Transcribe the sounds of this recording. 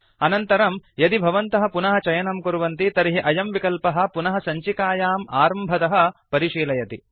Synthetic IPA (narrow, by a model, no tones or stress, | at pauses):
ɐnɐnt̪ɐɾɐmjɐd̪ibʱɐʋɐnt̪ɐɦɐ̆punɐɦɐt͡ʃɐjɐnɐmkuɾuʋɐnt̪it̪ɐɾiɦiʔɐjɐmʋikɐlpɐɦɐ̆punɐɦɐsɐɲt͡ʃikaːjaːmaːɾɐmbʱɐt̪ɐɦɐ̆pɐɾiʃiːlɐjɐt̪i